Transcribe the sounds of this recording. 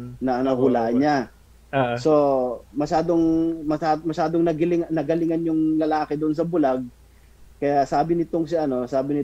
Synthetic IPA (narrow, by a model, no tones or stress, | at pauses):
nɐnɐhʊlaːʔɐɲa | so̞mɐʃaːd̪o̞ŋmɐaːmɐʃaːd̪oŋnɐɡɪlɪŋnɐɡɐlɪŋanjʊŋlɐlaːkɛd̪ʊʔons̬ɐbʊlaɡ̚ | kɐjasaːbɪnɪt̪oŋsɪʔɐno̞saːbɪnɪ